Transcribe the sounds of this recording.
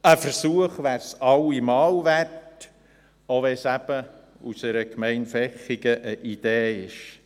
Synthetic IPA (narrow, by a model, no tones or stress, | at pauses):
əfəɾsuəχʋæɾsɑwimɑːlʋært | oʋɛsæb̥ə | usɛɾəkmɛɪnfɛχiɡəʔəʔid̪̥eːɪʃ